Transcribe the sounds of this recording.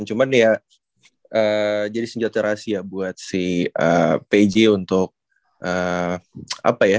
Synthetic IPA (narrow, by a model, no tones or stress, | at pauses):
nt͡ʃumanja | ʔəd͡ʒadisəɲd͡ʒat̪aɾasiabuat̪̚sihʔəped͡ʒeunt̪ʊk̚ | ʔə | a̰paja